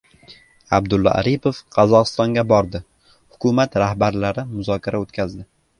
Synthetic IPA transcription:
abd̪ʊlːɒ̰ʔa̰ɾipʰofqʰɑzɒqɨst̪ɒŋɡʲabɒɾd̪ɪ | hʊkʰʊmat̪ɾahbaɾlaɾɪmʊzɒkʲʰaɾʔaot̪kʲʰazd̪ɪ

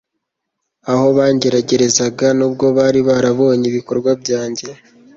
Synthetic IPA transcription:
aho̞βaːɲɟe̞ɾaɟe̞ɾe̞zaɡanub̚ɡo̞βaːɾiβaɾaβo̞ːɲiβiko̞ɾɡwabɟaːɲɟe̞

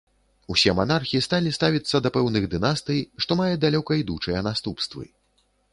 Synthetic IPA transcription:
usʲɛmanarxʲiist̪alʲist̪avʲit̪sːɐd̪ɐpɛwnɨɣd̪ɨnast̪ɨjʂt̪ɔmajɛd̪alʲɔkɐid̪ut͡ʂɐjɛnast̪upst̪vɨ̰

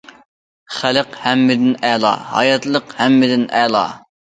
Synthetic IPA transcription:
χæləqhɛmːɪd̪ɪnɛlˠɑ̰ːhɑ̰jɑt̪lˠəqhɛmːɪd̪ɪnɛlˠɑ̰ː

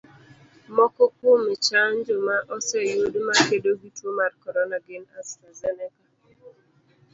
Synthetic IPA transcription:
mɔkɔkomɪt͡ʃaɲd͡ʒomaʔɔsɛjodmakedoɡitwomarkɔɾɔnaɡɪnastɾazɛnɛka

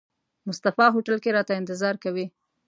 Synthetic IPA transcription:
mʊst̪afɑɦoʈəlkeɾɑt̪aɪnt̪ɪzɑɾkawi

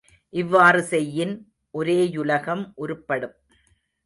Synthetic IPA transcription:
ʔɪʋːaːrɯsɛjːɪn | ʔɔɾeːjʊlɐɣɐmʔʊɾɯpːɐɽɯm

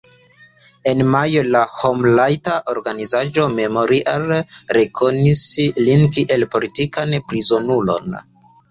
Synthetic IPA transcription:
e̞nmajolahomlajtaʔo̞ɾɡanizaʒo̞me̞mo̞ɾiʔalɾe̞kʰo̞nislinkiʔe̞lpo̞litikanpɾizo̞nulo̞̰n

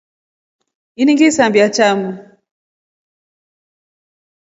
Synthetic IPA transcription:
iniŋɡisambiat͡ʃamu

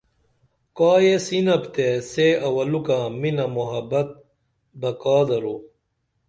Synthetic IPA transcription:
kaːjesinɐpt̪eseːɐwɐlukãːminɐmuɦɐbɐt̪̚ | bɐkaːd̪ɐɾoː

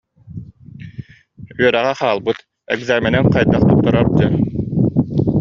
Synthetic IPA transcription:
yœɾæʁæχaːlˠbɯt̪ | ɛ̰ɡzaːmɛnɛnqɑjd̪ɑqt̪up̚t̪ːɔɾɔɾd̪ɯ

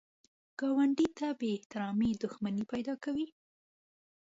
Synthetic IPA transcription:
ɡ̥ɑwaɳɖit̪abeːht̪ɪɾɑmed̪ʊxmanipajd̪ɑkawi

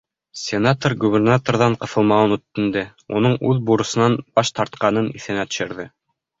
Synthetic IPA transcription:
sʲenat̪orɡubʲernat̪orðɑɴqɤ̆θɤ̆lˠmɑɤnut̪ːɘ̆nd̪ɘunɤɴʉðbuɾɤ̆sɤ̆nɑnb̥ɑʃt̪ɑɾt̪̚qɑnɤnḭθɘ̆næt̪ɵ̥̆ʃɘ̆ɾðɘ

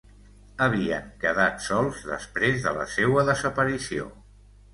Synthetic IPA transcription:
əβ̞iə̰ŋkəðat̪sɔlˠzðə̰spɾezðələ̰sewəðəzəpəɾisio̰

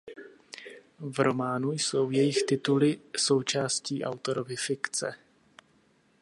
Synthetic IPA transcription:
vɾo̞maːnujso̞wjɛjɪxt̪ɪt̪ulɪso̞wt͡ʃaːsciːʔa̰wt̪oɾovɪfɪkt͡sɛ̰

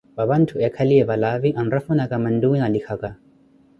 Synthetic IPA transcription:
babantʰuɛkʰɐliɛbalaviʔɐnɾɐfunakamɐnduwinalikʰaka

